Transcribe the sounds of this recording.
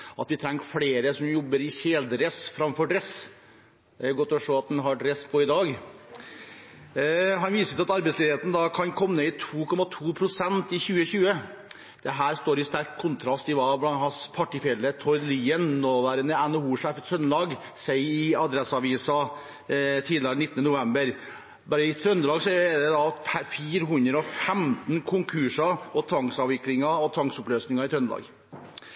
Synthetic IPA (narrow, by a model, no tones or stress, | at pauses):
ʔɑt̪ʋɪt̪ʰɾɛŋːfɽeːɾəsɔmjɔbːəɾɪçeːd̪ɾɛsfɾɑmfɔɖɾɛs | d̪ɛɡɔt̪ːɔʂoːɑt̪̚d̪ɛnɦɑɖɾɛspʰɔɪd̪ɑːɡ | ɦɑnʋiːsət̪ːɑt̪ɑɾbɛɪslieːt̪n̩d̪ɑkʰɑnkʰɔmːnəɪt̪ʰuːkʰɔmɑt̪ʰuːpʰɾʊsɛnt̪ɪçʉːəçʉːə | d̪̥ɛɦæːɾst̪oːɾɪst̪æɾkkʰːʊnt̪ʰɾɑst̪ɪʋɑːblɑnhɑspʰɑʈɪfjɛlət̪ʰɔʏliːənnoːʋæːɾənəænəuːʂæːfɪt̪ʰɾœnːlɑːɡ | sɛɪɪɑd̪ɾɛsɑʋiːsɑ | t̪ʰiːd̪lɪɑɾnɪt̪ːnənʊʋɛmbəɾ | bɑːɾəɪt̪ʰɾœnd̪lɑːɡsɔɛd̪ɛd̪ɑfiːɾəɦʉnd̪ɾəɔfɛmt̪n̩kʰʊŋkʰʉʂɑɔt̪ʰʋɑŋksɑːʋɪklɪŋɑɔt̪ʰɑŋsɔpløːsnɪŋɑɪt̪ʰɾœnlɑ̰ɡ